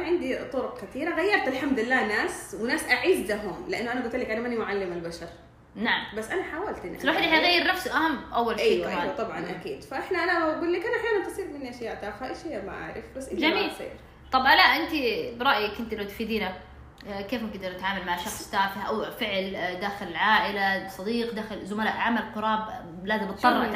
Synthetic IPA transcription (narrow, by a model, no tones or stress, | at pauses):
ʕɪnd̪it̪ˤʊɾʊqkat̪iːɾaɣajːɑɾˤt̪alħamd̪ɪlːaːnaːswɪnaːsʔaʕiːzlaɦʊmlɪʔanːʊʔanaɡʊlt̪ɪlːakʔanamanimʊʕalːɪmalbaʃɑɾˤ | naʕambasːʔanaħaːwalt̪ʔɪnʔlaːħɪd̪ʔɪħajɣajːɪɾnafsuʔahamːʔawːalʔiʔt̪ˤɑbʕɑ̰nʔa̰kḭːd̪faʔɪħnaʔanaɡuːlːiːkʔanʔaħjaːnant̪ɪsˤiːɾmɪniʔaʃjaːʔt̪ʔaxaʔajʃijːama̰ʔa̰ʕɾɪfbasʔɪd͡ʒamiːsḭːɾ | t̪ˤɑbalaʔɪnt̪ibɾˤɑʔjakʔɪnt̪ilawt̪fiːd̪iːna | keːfɪnkd̪ɑɾat̪ʕaːmalmaʕʃɑxsˤt̪aːfɪhʔawfɪʕld̪aːxɪlɪlʕaːʔɪlasˤɑd̪iːqd̪aːxɪlzʊmalaːʔʕamalqʊɾˤɑːb | laːzɪmbɨt̪ˤːɑrˤːɑ